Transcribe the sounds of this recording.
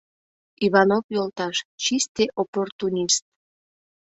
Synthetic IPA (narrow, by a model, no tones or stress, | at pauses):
iβɑnopjolt̪ɑʃt͡ɕist̪eʔoport̪unʲist̪̚